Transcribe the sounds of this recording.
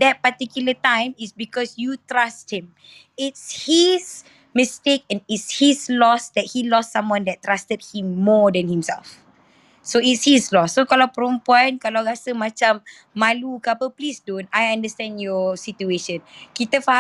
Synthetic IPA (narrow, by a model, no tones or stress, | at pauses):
dɛt̚patikjulətãj̃misbikɔsjutɹast̚hĩm | itshis | mistek̚ɛ̃nitshislɔsdɛt̚hilɔstsãmwãndɛt̚tːɹastəd̚hĩmːɔdɛ̃nhĩmsɛ̰lf | soitshislɔsːokalawpəɾũmpuãnkalawɾasəmat͡ʃãmː | alukapəplisdõnajãndəstɛ̃ndjɔsitueʃə̃nkit̪əfah